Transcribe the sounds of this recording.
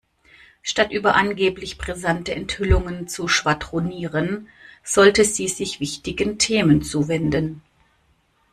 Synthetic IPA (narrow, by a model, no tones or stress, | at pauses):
ʃtatʔyːbɐʔanɡeːplɪçpʁ̥ezantəʔɛnthʏlʊŋənt͡suʃv̥adʁoniːʁənz̥ɔltəziːzɪçv̥ɪçtɪɡəntʰeːmənt͡suːvɛndən